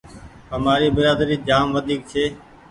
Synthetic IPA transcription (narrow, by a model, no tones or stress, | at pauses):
ɦəmaːɾiːbɪɾaːd̪ɾiːd͡ʒaːmʋəd̪ʱiːk̚t͡ʃʰeː